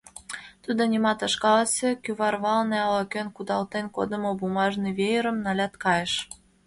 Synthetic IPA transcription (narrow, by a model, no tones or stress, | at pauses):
t̪ud̪onʲimɑt̪ə̆ʃkɑlsʲekyβɑrβɑlneɑlɑkønkud̪ɑlt̪enko̰d̪ə̆mobumɑʒniβejəɾə̆mnɑlʲɑt̪kɑjeʃ